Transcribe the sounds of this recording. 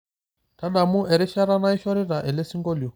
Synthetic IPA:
ta˦ɗa˨mu˦ɛ˨ɾi˦ʃa˦ɾa˦na˦i˦ʃɔ˦ɾi˦ɾa˨ʔɛ˨lɛ˦si˦ŋɡɔ˦li˨ɔ˨

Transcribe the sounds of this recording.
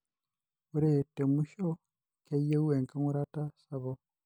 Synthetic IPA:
u˦ɾe˨tːe˨mu˦ʃo˦ | ke˦ije˦u˦we˨ŋka˦ŋu˦ɾa˦ta˦sa˨βo˦

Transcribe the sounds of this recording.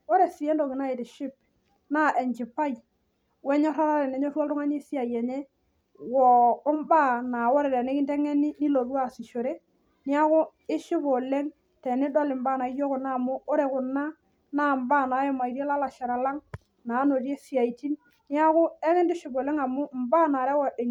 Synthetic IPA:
o˦ɾe˨si˨jɛ˦ndo˨kɪ˨na˦e˨tɪ˨ʃɪ˦p̚ | na˦ʔɛ˨ɲt͡ʃɪ˨pa˦j | wɛ˦ɲɔ˦ɾa˦ɾa˦ɾɛ˨nɛ˨˦ɲɔ˦ɾwɔ˦ltʊ˦ŋa˦ɲe˦si˦a˨jɛ˨ɲɛ˦ | wɔ˨ɔ˦mba˦na˨wɔ˦ɾɛ˨ɾɛ˨ne˦kɪ˦ntɛ˦ŋɛ˦nɪ˦ni˦lo˨ðwa˦˨sɪ˨ʃo˨ɾe˦ | nɪ˦a˦kʊ˦ɪ˦ʃɪ˦po˨le˦ŋ | tɛ˨nɪ˦dɔ˦lɪ˨mba˦˨na˨ɪ˦jo˦kʊ˨na˦˨mʊ˦o˦ɾe˨kʊ˨na˦ | na˦mba˦˨na˨˦ɛ˦ma˨i˨ɾe˦la˦la˨ʃɛ˨ɾa˨la˦ŋ | na˨˦no˨ɾje˦si˨a˨i˨ti˦n | nɪ˦a˦kʊ˦ɛ˦ŋɛ˦ndɪ˦ʃɪ˨bo˨le˦ŋa˨mʊ˦m̩˨ba˦na˨ɾɛ˦wɔ˨de˨

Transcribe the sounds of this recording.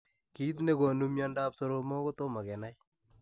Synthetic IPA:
ki˦t̬ne˦ko˨nu˦mjɔ˦nda˦pso˦ɾo˦mɔ˦ko˦to˦ma˨kɛ˨na˦j

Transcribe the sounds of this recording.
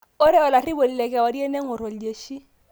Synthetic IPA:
ʊ˦ɾɪ˦ʊ˨la˨ri˦bo˨li˨le˨kɪ˨a˨wa˨di˦e˦ne˦ŋ̩˦ʊ˨ɾo˨lde˨ʃi˦

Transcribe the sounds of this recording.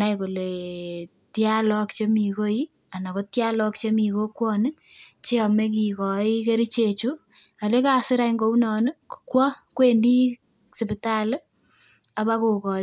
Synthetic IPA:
a˦jko˨le˨ | tja˦lɔ˦k̚t͡ʃe˦mi˨ko˦i˦ | a˨na˨ko˦tja˦lɔ˦kt͡ʃe˦mi˨ko˦kwɔ˦n˦ | t͡ʃe˦ɔ˨me˦k̬i˨kɔ˨i˦ke˦ɾi˦t͡ʃet͡ʃu˦ | a˨le˦ka˨sɪ˦ɾa˦iŋɡo˦u˦nɔː˨n˦ku̥kwɔ˦kwe˦ndi˦ | sɪ˨pɪ˨ta˦l | a˨βa˦ko˨kɔ˨

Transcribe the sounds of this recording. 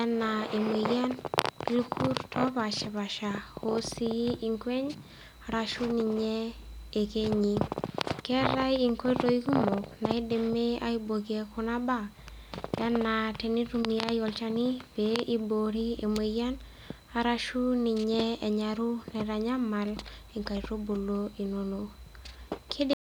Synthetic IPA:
a˦na˨e˨me˨ɣja˦nlu˦kʰu˦ɾtʰɔ˦ba˨t͡ʃɛ˨ba˨ʃa˨ho˦si˦ji˦ʔi˨ŋkwe˦ɲ | a˨ɾa˦ʃu˦ni˨ɲɛː˦˨ke˦ɲi˨kɛ˦ɾa˦ji˨ŋkʷe˦ɾo˦i˦ku˦mo˨kna˨i˦de˨me˦a̰˦i˦bo˨ki˦e˨˦kʊ˨˦na˦ba˨ | ja˦na˨tɛ˨ni˦ɾu˦mi˨a˦jɔ˨lt͡ʃa˦ni˦b̥ei˦bo˨ɾi˦ḛ˨me˨ja˦n | a˨ɾa˦ʃu˦ni˨ɲɛ˦ɛ˨ɲa˨ɾu˦nɛ˨ɾa˨ɲa˦ma˨li˨ŋka˨i˨ɾo˦bo˨lo˦i˨no˨no˨ | kʰɪ˦d

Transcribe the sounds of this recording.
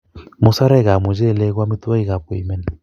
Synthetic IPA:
mʊ˨sa˦ɾɛ˦˨ɣa˨mo˨d͡ʒe˦˨lɛ˦ɣwa˦mi˦ta˦i˦ɣa˨p̚e˨i˨mɛ˦n˨

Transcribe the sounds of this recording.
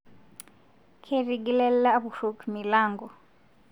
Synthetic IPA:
kʰe˦ri˨ɡi˦lɛ˦l̩la˦a˦βu˨ɬo˨kʰmi˨laː˦ŋɡɔ˨

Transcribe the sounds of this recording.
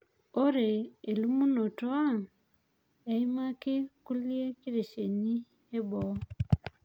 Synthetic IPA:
oɾeː˨lumu˦no˨ta˦ | e˨imaki˦kulje˦ki˦ɾe˨ʃe˨ni˦ | e˦bo

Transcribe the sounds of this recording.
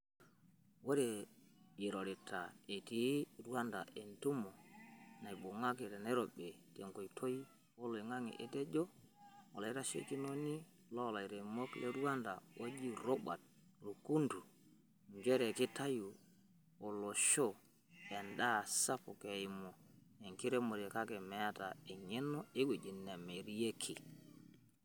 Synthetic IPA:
wo˦ɾe˨ji˨ɾo˨ɾi˨ta˨e˨ti˨˦ɾu˦a˦nda˨ʔe˨ntu˦mɔ˨na˨i˨ɓo˨ŋa˦ke˨tɛ˨na˦ɾo˨ɓe˨te˨ŋko˨i˨tʰo˦i˦ | o˦lo˨i˨ŋa˦ŋḭ˨ʔe˨tɛ˦d͡ʒo˦o˨lɔ˨i˦ɾa˦ʃḛ˦ki˦no˦ni˦ | lɔ˦˨la˨i˨ɾe˨mo˦kle˦ɾwa˦nda˨o˦d͡ʒi˦ɾo˦ɓa̰˨t̚ | lu˨ku˦ndu˨ | ɲd͡ʒɛ˦ɾe˨kɪ˦ta˦ju˨ | o˨lo˨ʃo˦ | ɛ˨nda˦˨sa˦pɔ˨ke˨i˨mo˨e˨ŋki˦ɾe˦mo˨ɾe˨ka˦kɛ˨mɛ˨a˦ta˨e˨ɲe˦no˦e˦we˨d͡ʒi˨nːe˨me˨ɾi˦je˦kʰi˨

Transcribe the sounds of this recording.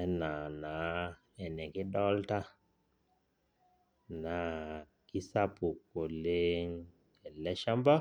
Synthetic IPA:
ɛ˦na˨na˨ | ɛ˨nɛ˨ki˦ɗɔ˦lta˦ | na˨ | ki˦sa˦pu˨kːo˨le˦ŋ | ɛ˨lɛ˦ʃa˦mba˦

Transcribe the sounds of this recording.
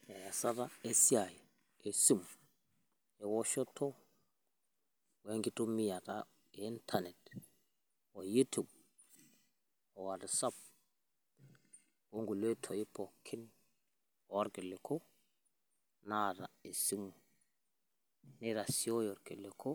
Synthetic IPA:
a˨ja˨sa˦ɾa˦e˦si˦aja˨ | e˨si˦mu | ɛ˨wɔ˦ʃɔ˦tʰɔ | we˦ŋɡi˦tu˦mi˦jata̰ | i˦ntʰanɛ˨t | wɔ˨ju˦tʰu˨b̚ | ɔ˨wa˨tsa˦b̚ | wo˦ŋɡu˨le˦tʰɔ˨ji˦pɔ˨kʰːi˦n | ɔ˦ɾkɛ˨lɛ˨kʰɔ˦ | nada˨e˨si˦mu | ni˦ɾa˨si˦ɔ˦jɔɾkɛ˨lɛ˨kʰɔ˦

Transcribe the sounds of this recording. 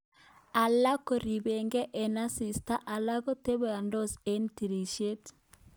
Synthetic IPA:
a˨la˦ko˨ɾi˨be˨ŋɡɛ˦ʔɛ˨na˦si˨sta˦ʔa˨la˦ko˦te˦βe˨a˨ndɔ˦se˨nti˨ɾi˨ʃe˦t

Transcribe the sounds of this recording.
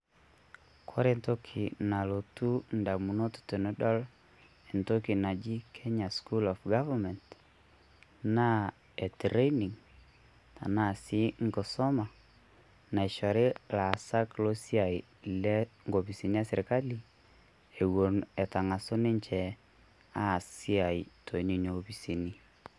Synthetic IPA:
kʰɔ˦ɾe˦nto˦kʰi˨na˨lo˨tu˦n̩da˨mu˨no˦ttu˨nɛ˦dɔ˦l | e˨nto˦ki˨na˨d͡ʒi˦kʰɛ˦ɲa˨sku˦lɔ˨fɡa˦va˨mɛ˨nt | na˦ | e˨tɾe˦ni˨ŋ | ta̰˨na˦si˦ŋkɔ˨sɔ˦ma˨ | na˨ɪ˨ʃɔ˨ɾɪ˦la˨sa˦klo˦si˦a˨i˨ | lɛ˦ŋɡo˨pi˨si˨ni˦a˦sɪ˨ɾka˦li˨ | e˨wo˨nɛ˨ta˨ŋa˨so˦nɪ˦ɲt͡ʃɛ˨ | a˦˨si˦a˨i˨tʰo˨i˦ni˨ni˨o˦pi˨si˨ni˦

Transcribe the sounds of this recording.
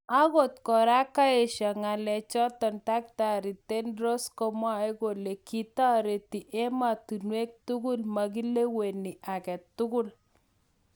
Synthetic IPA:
a˦ɣo˦˨tkɔ˨ɾa˦ka˦e˨ʃa˨ŋa˨lɛ˨t͡ʃɔ˦tɔ˨nta˦k̚ta˨ɾi˨te˦nɾo˦skɔ˦mwa˦e˦ɡo˨le˨kʰi˦ta˦ɾe˨ti˨ʔɛ˦ma˨tu˨nwe˦k̚tu˦ɡu˦lma˨k̬i˦le˦we˨ni˨a˨kɛ˨tːu˦ɡʊ˦l

